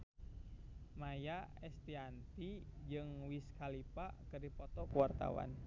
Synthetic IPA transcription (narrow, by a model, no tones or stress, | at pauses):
majaɛst̪iant̪id͡ʒɨŋwiskalipa̰kɨrdipɔt̪ɔkuwart̪a̰wa̰n